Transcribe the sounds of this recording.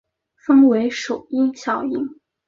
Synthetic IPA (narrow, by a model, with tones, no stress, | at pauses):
fə˥ŋwe˧˥ɪʂo˨˩ʊi˥ŋɕjɑ˨˩ʊi˧˥ŋ